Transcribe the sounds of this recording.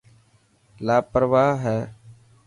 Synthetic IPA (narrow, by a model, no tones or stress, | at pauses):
laːpəɾʋaːɦɛː